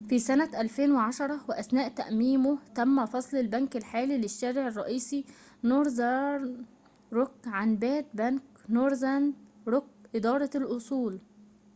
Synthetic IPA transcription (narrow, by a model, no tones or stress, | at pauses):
fisænæʔælfeːnwɪʕaʃɑɾˤɑwɪʔæsnæːʔt̪æ̰ʔmiːmʊht̪æmːæfɑsˤlɪlbænkɪlħaːlilɪʃːæːɾɪʕɪrˤːɑʔiːsi | noːɾzɑɾ | ɾokʕanbæːt̪̚bæŋknoːɾzænd̪ɾok̚ʔɪd̪ɑːɾˤɑlʔosˤuːl